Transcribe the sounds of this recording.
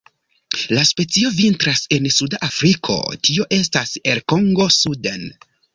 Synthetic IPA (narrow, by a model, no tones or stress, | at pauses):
laspe̞t͡sio̞vintɾase̞nsudaʔafɾikʰo̞̰tio̞ʔe̞staseɾko̞ŋɡo̞suden